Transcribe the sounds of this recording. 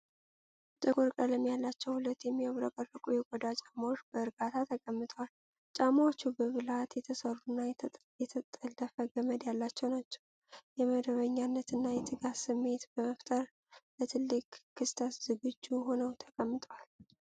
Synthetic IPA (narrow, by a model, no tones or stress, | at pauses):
t͡ʃʼəɡʼoɾkʼələmjalːat͡ʃːɛwhulət̪ːjɛmːiəβɾəkʼərːəkʼujɛɡʷɔd̪at͡ʃʼamawot͡ʃːb̥əɨɾɡat̪ʰat̪ʰəkʼəmːɨt̪ʼəwal | t͡ʃʼamawot͡ʃːubəβɨlat̪jɛt̪ʰəsərːunːaj | jɛt̪ʰət̪ʼːələfəɡəməd̪jalːat͡ʃːɛwnat͡ʃːɛ̥w | jɛməd̪əβəɲːanːət̪ɨnːajɛt̪ʰɨɡasɨmːe̞t̪bəməft̪ʼəɾ | lət̪ʰɨlːɨkʼːʰɨst̪ʰasz̥ɨɡɨd͡ʒːuɦo̞nəwt̪ʰə̥kʼəmːɨt̪ʼəwal